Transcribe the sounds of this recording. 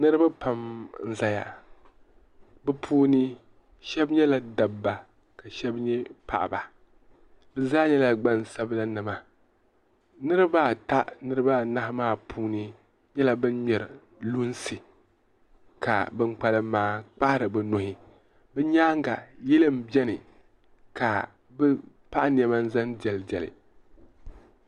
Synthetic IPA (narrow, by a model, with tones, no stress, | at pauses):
nɨ˦ɾɨ˦ba˦pa˨mn̩˦za˨ja̰˨ | bɨ˦pʰuː˦nɨ˦ | ʃɛ˦bɲɛ˦la˨da˨bːa˨ | ka˨ʃɛ˦bɲɛ˦pa̰˨ʔba˨ | bɨ˨zaː˦ɲɛ˦la˨ɡ͡ba˦n˨sa˦bla˦nɨ˨ma˨ | nɨ˦ɾɨ˦ba˦˨ta˦ʔnɨ˦ɾɨ˦ba˦˨na˦hmaː˦˨pʰuː˦nɨ˦ | ɲɛ˦la˦bɨ˦nɲɛ˨ɾɨ̰˨ | lu˦nsɨ˨ | ka̰˨bɨ˦ŋk͡pa˨lɨ˦maː˦k͡pa˦hɪ˦ɾɨ˨bɨ˨no˨hɪ˦ | bɛ˦ɲaː˦ŋ˦ɡa̰˨jɛ˦lɨ˦m̩˨bɛ˦nɨ˨ | ka˨ | bɨ˦ | pa˦ʔni˨ɛ˨ma˦n˦za˦ndɛ˨lɨ˨d͡ʒɛ˨lɨ̰˨